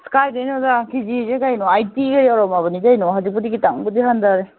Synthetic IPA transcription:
skajdejnɔzakʰizizeɡajnɔajtiɡajawɾɔmaβɯnizajnɔɦazik̚pudiɡitaŋbɯdiɦandaɾe

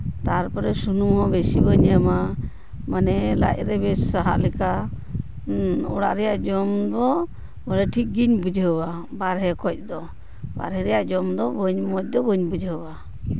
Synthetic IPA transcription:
t̪aɾpɔɾɛsunumɦɔbesibəɲama | manɛla̰ʔ̚ɾɛbɛssaɦa̰ʔlɛka | ɔ̰ɽa̰ʔɾɛjaʔd͡ʒɔmd̪ɔ | bɔɾɛʈʰik̚ɡiɲbud͡ʒɦəwa | baɾɦɛkɔc̚ˀd̪ɔ | ba̰ɾɦɛɾɛjaʔd͡ʒɔmd̪ɔbəɲmɔc̚d̪ɔbəɲbud͡ʒɦəwa

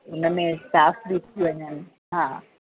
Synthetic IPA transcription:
ʊnəmẽsaːfbit̪ʰiʋɐɲənɪ̆ | ɦãː

